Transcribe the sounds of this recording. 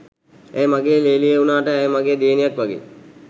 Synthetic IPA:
æ̰jmaɡeːleːlijeunaːʈəɛjmaɡeːd̪eːnijakʋaɡḛː

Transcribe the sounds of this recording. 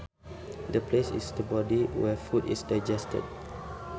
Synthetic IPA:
dəplesḭsdəbɔdiwɛfutḭsdajd͡ʒɛstə̰d̚

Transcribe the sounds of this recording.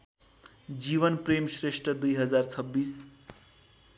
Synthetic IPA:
d͡ziβʌnpremsresʈrʌd̪ujɦʌd͡zart͡sʰʌbːis

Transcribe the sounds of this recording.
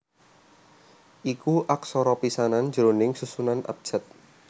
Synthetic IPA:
ʔikuʔak̚sɔɾɔpisanan̥d͡ʒəɾonɪŋsusunana̰p̚d͡ʒ̥at̪̚

